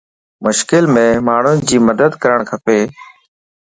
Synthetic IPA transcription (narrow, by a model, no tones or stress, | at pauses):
mʊʃkɪlmẽːmaːɳ̤ʊnɪ̆d͡ʑiːməd̪əd̪kəɾəɳ̃kʰəpeː